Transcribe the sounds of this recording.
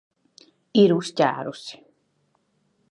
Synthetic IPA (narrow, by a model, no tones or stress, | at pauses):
iɾusca̰ɾusi̥